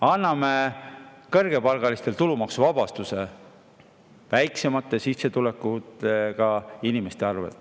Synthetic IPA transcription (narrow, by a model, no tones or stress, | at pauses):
ɑnːɑme | kɤrɡ̥e̞pɑlɡ̥ɑlist̪e̞lt̪ulumɑksvɑb̥ɑst̪use̞ | væjkse̞mɑt̪ːˑe̞sisːe̞t̪ule̞kːˑut̪ːˑekɑinime̞st̪eɑrvḛlt̪ː